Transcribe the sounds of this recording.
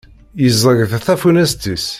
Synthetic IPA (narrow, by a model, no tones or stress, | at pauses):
jəzˤəɡθæθæfunæst̪is